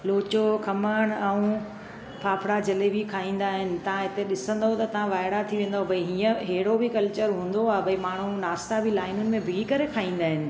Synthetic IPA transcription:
loːt͡ɕokʰɐməɽ̃ɛũ | pʰaːpʰɽad͡ʑɐlebʱikʰaːĩːn̆d̪aːɦɪnɪ̆t̪ɐʋ̤ãɦɪt̪eɗɪsə̃nd̪aɦot̪ɐt̪ɐʋ̤ãʋaːɪɽat̪ʰiʋẽːn̆d̪aɦobʱɐiɦiːə̃ɦeːɪɽobɪkɐlt͡ɕəɾɦũːn̆d̪oaːbʱɐimaːɳ̤unaːst̪abʱilaːɪnʊnɪ̆mẽbʱɪɡikɐɾekʰaːɦĩːnd̪aːɦɪnɪ̆

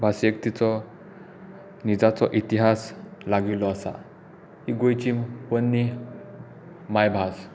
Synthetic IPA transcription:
bʱasek̚t̪it͡sɔ | nid͡zat͡sɔʔit̪iɦaslaɡilɔasa̰ | hiɡojt͡ɕimpənːi | majbʱas

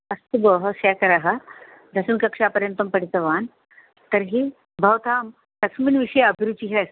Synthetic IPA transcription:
ɐst̪uboɦəsɛkɐɾaɦa | d̪ʱɐsɐnkɐkʂapəɾjənt̪ɐmpəɽit̪ɐʋaːn | t̪əɾɦiː | bʱɐwt̪ʰaːm | tɐkʂmiːnʋiʂɐjɐbʱiɾut͡ɕiɦɛs

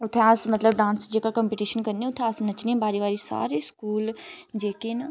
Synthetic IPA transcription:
ʊt̪ʰɛ̃asmɐt̪ləbɖãːnsd͡ʒeːkakəmpiːʈiːʃənkəɾnĩʊt̪ʰːɛ̃asnɐt͡ʃnĩːbaːɾiːʋaːɾisa̰ːɾeːskuːld͡ʒeːkɪn

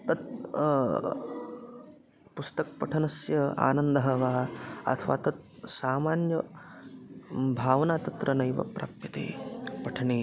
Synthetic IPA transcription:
t̪ɐt̪̚ | pust̪ɐk̚pɐʈʰɐnɐsjɐa̰ːnɐnd̪ɐɦɐʋaːɐ̰t̪ʰɐʋa̰ːt̪ɐt̪̚ | saːmaːnjɐ | bʱaːʋnaːt̪ɐt̪ɾɐnɐjʋɐ̰pɾa̰ːpjɐt̪ḛːpɐʈʰɐɳiː

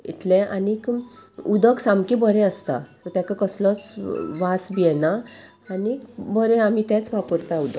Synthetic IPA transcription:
ḭt̪ʰlɛ̃anikud̪əksamkibəɾɛ̃əst̪a̰t̪ɔt̪jãkakəslɔt͡sʋasbijɛna | anikbəɾɛ̃am̤it̪ɛt͡sʋapəɾt̪aud̪ə

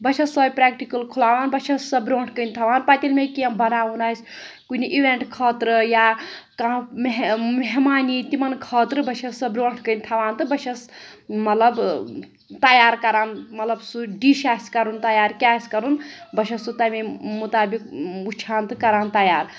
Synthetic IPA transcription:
bɐt͡ʃʰɐsəːbʲpɾaːkʈikɐlkʰulaːʋaːnbɐt͡ʃʰɐsɐbɾoːɳʈʰkənʲt̪ʰɐʋaːnpat̪ʲilmekiɐmbɐnaːʋunas | kuniʔiʋeɳʈkʰɐːt̪ɾɨjakameɦmeɦmaːnit̪imɐnkʰɐːt̪ɾɨbɐt͡ʃʰɐsɐbɾoːɳʈʰkənʲt̪ʰɐʋaːnt̪ɨbɐʃʰɐsmɐt̪lɐb | t̪ajaːɾkɐɾaːnmɐt̪lɐbsuɖiʃaːsʲkɐɾunt̪ɐjaːɾkʲaːsʲkɐɾunbɐʃʰɐsut̪ɐmemut̪aːbikut͡ʃʰaːnt̪ɨkːɐɾaːnt̪ɐjaːɾ

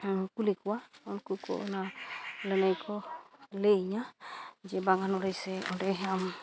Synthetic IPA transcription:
kulikwaɔnkuko̰nalənajkʰɔleɲad͡ʒɛbaŋanɔɾejseɔ̰ndeɦam

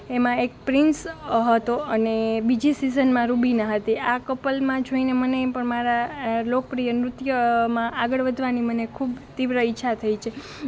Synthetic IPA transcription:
emãek̚pɾɪnsɦət̪oənebid͡ʒisizənmãɾubinaɦət̪iakəpəlmãd͡ʒʱoinemənepəɳmaɾalok̚pɾijənɾʊt̪jəmãʔaɡəɭʋəd̪ʱʋanimənekʰubt̪iʋɾəɪtːʃʰat̪ʰəit͡ʃʰe

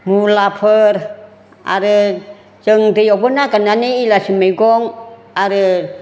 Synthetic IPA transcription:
mulapʰər | a̰ɾə | t͡ʃəŋt̪ijɔpunakənaniilasimeɡɔŋ | aɾə

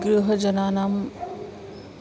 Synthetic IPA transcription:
ɡɾuɦʌd͡ʒʌnanam

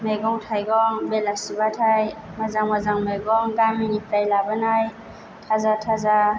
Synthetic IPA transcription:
meɡɔŋtʰajɡɔŋbelasibatʰajmazaŋmazaŋmeɡɔŋɡaminipɾajlabɯnaj | tʰazatʰaza

